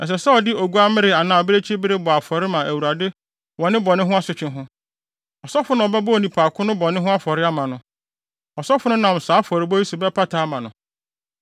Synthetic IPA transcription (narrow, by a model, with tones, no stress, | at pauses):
ɛ˨s̬ɛ˨sɛ˦ɔ˨dɪ˦ʔo˨ɡu˦a˦mɪ̃˦ɾɪ˨a˨nãː˨ɔ˨bɪ˦ɾe˦t͡ɕʰi˦bɪ˦ɾɪ˦bɔ˨a˨fɔ˨ɾɪ˦mã˨ʔæ˨wu˨ɾa˨dɪ˦ | wɔ˨nɪ̃˦bɔ˨nɪ̃˦ɦʊ̃˦a˦sʊ˨t͡ɕᶣɪ̃˦nɦʊ̃˦ | ɔ˨sɔ˦fʊ˦nã˨ɔ˨bɛ˦bʊ˦o˨nĩ˨pʰaː˨kʰʊ̃˦nʊ̃˦bɔ˨nɪ̃˦ɦʊ̃˦a˦fɔ˨ɾɪ˦a˦mã˨nʊ̃˦ | ɔ˨sɔ˦fʊ˦nʊ̃˦nã˨m˨saː˨˦fɔ˨ɾɪ˨˦bɔ˦i˦su˨bɛ˦pʰa˦tʰaː˦mã˨nʊ̃˨